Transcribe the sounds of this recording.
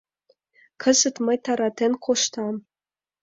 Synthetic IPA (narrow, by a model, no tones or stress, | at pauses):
kʰɤ̆zɘ̆t̪mɤ̆jt̪ɑɾɑt̪enkʰoʃt̪ɑm